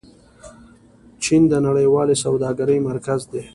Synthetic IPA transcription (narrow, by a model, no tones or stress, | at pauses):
t͡ʃind̪ənaɽəjwɑlesawd̪ɑɡaɾəjmaɾkazd̪e